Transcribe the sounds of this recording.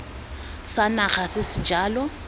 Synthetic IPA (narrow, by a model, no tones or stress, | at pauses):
sanaχasɪsɪd͡ʒaːlɔ